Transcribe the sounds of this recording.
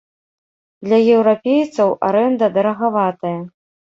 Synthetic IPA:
d̪lʲɐjɛwɾapʲejt̪sɐwʔaɾɛnd̪ɐd̪ɐɾɐɣavat̪ɐjɐ

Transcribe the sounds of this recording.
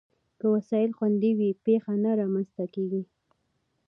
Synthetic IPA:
kəwasɑjɪlxwand̪iwipexanaɾɑmanst̪akeɡi

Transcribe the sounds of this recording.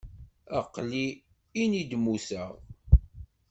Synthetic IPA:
ə̰qːli | inid̪musəʁ

